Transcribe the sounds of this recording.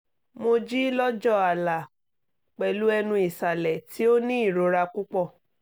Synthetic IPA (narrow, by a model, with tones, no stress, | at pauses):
mo˧d͡ʒi˦lɔ˦d͡ʒɔ˦a˨la˨ | k͡pɛ˨lu˦ɛ˧nũ˧i˨sa˨lɛ˨ti˦o˦nĩ˦i˦˨ɾo˨˧ɾa˧ku˦k͡pɔ˦˨